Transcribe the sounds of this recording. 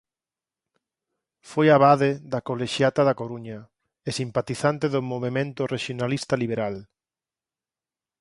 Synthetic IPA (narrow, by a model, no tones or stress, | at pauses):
fojaβaðeðakoleʃjat̪aðakoɾuɲɐ | esimpat̪iθant̪eðʊmoβ̞emẽnt̪ʊreʃjonalist̪aliβ̞eɾal